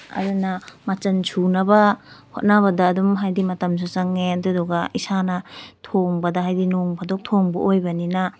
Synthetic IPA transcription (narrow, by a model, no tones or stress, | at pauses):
ɐ̰ɾunɐmɐt͡ʃɐnsʰunɐbɐhot̚naβɐdɐːdumɦajdimɐtɐms̬ot͡ʃɐŋetuduɡɐisanɐtʰoŋbɐdɐɦajdinoŋpʰadok̚tʰoŋbɐʔojbɐninɐ